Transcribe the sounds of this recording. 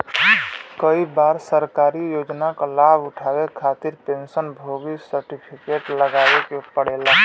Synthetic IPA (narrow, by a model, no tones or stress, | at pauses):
kəibaɾsəɾkaɾijod͡ʒnakalabuʈʰabekʰat̪iɾpensənbʱoɡisəɾʈipʰikeʈləɡabekepəɽela